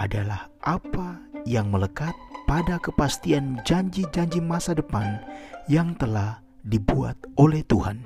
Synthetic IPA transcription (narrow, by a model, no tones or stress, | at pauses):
ʔadalahʔapajaŋmələkat̪̚padakəpast̪iand͡ʒaɲd͡ʒid͡ʒaɲd͡ʒimasadəpanjaŋt̪əlah | dibua̰t̪̚ʔolɛht̪uha̰n